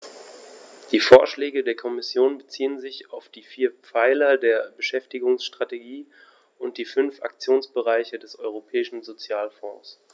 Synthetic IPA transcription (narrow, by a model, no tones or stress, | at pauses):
d̥iːfoːɐʃlɛːɡədeːɐkʰɔmɪsjoːnbət͡siːənzɪçaʊfd̥iːfiːɐp͡faɪlɐdeːɐbəʃɛftɪɡʊŋsʃtʁ̥ateɡiː | ʔʊnt̚d̥iːfʏnfʔa̰k̚t͡sjoːnsb̥əʁaɪçədɛsʔɔʏʁ̞opʰɛːɪʃn̩zot͡sjaːlfɔ̰̃ːs